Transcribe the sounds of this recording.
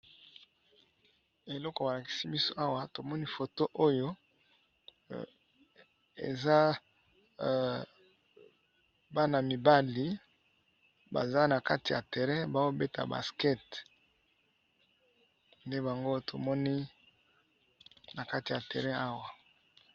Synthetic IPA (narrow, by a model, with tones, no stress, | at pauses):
e˨lɔ˦kɔ˨ba˨la˨ki̥˨si˦bi˦so˦ʔa˦wa˦to˨mɔ˦ni˦fo˨to˦ʔo˦jo˦ | ḛ˨za˦ | ba˦na˨mi˨ba˦li˨ | ba̰˨za˦na˨ka˦ti˨ja̰˨te˨ʁɛ̃˦ba˨wo˦be˦ta̰˨ba̰˨skɛ˦t | nde˦ba˨ŋɡo˦to˨mɔ˦ni˦ | na˨ka˦ti˨ja˨tɛ˨ʁɛ̃˦a˦wa˨